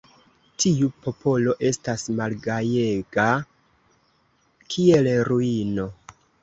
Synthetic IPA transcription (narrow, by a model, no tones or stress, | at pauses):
tʰiupo̞pʰo̞lo̞ʔe̞stasmalɡaje̞ɡa | kʰie̞lɾuino̞